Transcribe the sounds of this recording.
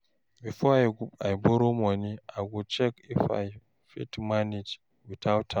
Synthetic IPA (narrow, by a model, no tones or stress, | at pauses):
bifɔajɡubajbɔɾomoniajɡut͡ʃɛkifa̰j | fitmanid͡ʒ | witʰawtʰːa